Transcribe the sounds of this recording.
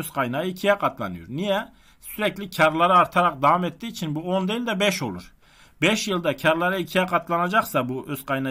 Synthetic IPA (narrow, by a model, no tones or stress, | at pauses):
øzqʰajnaːɯicʰijɛqʰat̪ʰlˠa̰nɯjo̰ɾnijɛ | syɾɛclʲicʰaɾlˠaɾɯaɾt̪ʰaɾaq̚d̪avamet̪ːiːt͡ʃʰinbuond̪elʲd̪ɛbɛʃo̞lˠṵɾ̥ | bɛʃjɯlˠd̪acʰaɾlˠaɾaicʰijaqʰat̪ʰlˠanad͡ʒaχsabuøz̥qʰajna